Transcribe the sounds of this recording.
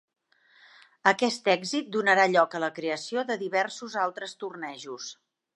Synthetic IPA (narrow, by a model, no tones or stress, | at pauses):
əkɛst̪ɛɡzit̪̚d̪unəɾaʎɔkələkɾeəsioðəðiβɛɾsuzalˠt̪ɾəst̪urnɛʒus